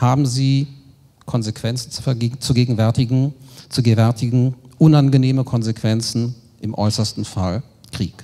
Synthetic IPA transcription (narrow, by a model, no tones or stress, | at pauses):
haːbm̩ziː | kʰɔnzekv̥ɛnt͡sn̩t͡su̥fɛɐɡːt͡suɡeːɡŋ̩vɛɐtɪɡŋ̩t͡suɡvɛɐtɪɡŋ̩ʔʊnanɡəneːməkʰɔnzekv̥ɛnt͡sn̩ | ʔɪmʔɔ̰ʏsɐstn̩fa̰l | kʁ̥ḭːk